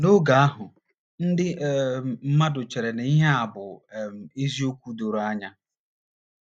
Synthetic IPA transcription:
nʊ˦ɡa˨a˦ɦʊ˨ | n̩˦dɪ˦˨m̩˦ma˦dʊ˨t͡ʃe˨ɾe˨ne˨i˦ɦe˦a˨bʊ˨e˦zi˦o˦kʷu˦do˨ɾo˨a˦ɲa˦

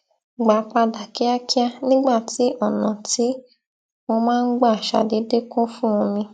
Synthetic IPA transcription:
ɡ͡ba˨˦pa˧da˨ki˦a˦ki˦a˧nĩ˦ɡ͡ba˦˨ti˨˦ʔɔ˦˨nã˨ti˨˦ | mo˧mãː˦˧n̩˦ɡ͡ba˦˨ʃa̰˨de˨˦de˦kũ˦fũ˦ũ˧mĩ˧

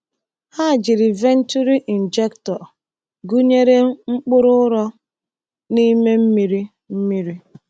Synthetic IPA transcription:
ha˦˨d͡ʒi˨ɾi˨ve˦n̩˦tu˦ɾi˦ʔi˨n̩˨d͡ʒe˦ktɔ˨ | ɡu˦ɲe˦ɾe˦ŋ͡m̩˦k͡pʊ˦ɾʊ˦ʊ˦ɾɔ˦ | ni˦me˦m̩˦mi˦ɾi˦ | m̩˦mi˦ɾi˦

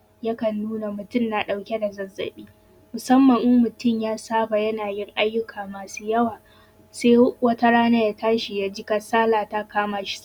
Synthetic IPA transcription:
ja˦kɐ˨nːuː˦na˨mʊ˨tʊ˦nna˨ɗa˨wkʲe˦da˨zɐ˦zːɐ̰˨ɓiː˦ | mʊ˨sɐ˦mːɐ˨ŋʔʊ˦mʊ˨tʊ˦˨mjaː˦saː˦ba˨jɐ˦naː˨jɪ˦ŋʔa˦jːʊ˦kʰaː˨maː˨suː˦jɐ˦waː˨ | seː˦wɐ˦ta˦ɽaː˦na˦ja˦taː˦ʃi˨jaː˦d͡ʒɪ˦ka˦saː˦laː˨ta˦kaː˦maː˨ʃi̥˦s

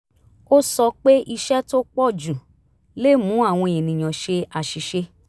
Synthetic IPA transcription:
o˦sɔ˧k͡pe˦i˧ʃɛ˦to˦k͡pɔ˦˨d͡ʒũ˨ | le˦mũ˨˦a˦˨w̃ɔ̃˧e˨nĩ˨j̃ã˨ʃe˧a˨ʃi˨ʃe˧

